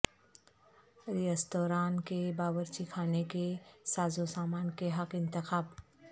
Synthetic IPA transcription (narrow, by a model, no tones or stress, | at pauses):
ɾijəst̪oːɾaːnkebaːwəɾt͡ʃikʰaːnekesaːzosaːmaːnkeɦɐqɪ̃nt̪ɪxaːb